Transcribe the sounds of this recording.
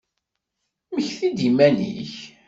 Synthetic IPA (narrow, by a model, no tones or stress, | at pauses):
məçθid̪imænḭç